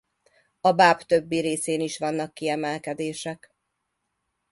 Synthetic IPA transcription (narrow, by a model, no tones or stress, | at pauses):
ɒbaːbt̪ø̞bːiɾeːseːniʃʋɒnːɒkːiɛmɛlkɛd̪eːʃɛk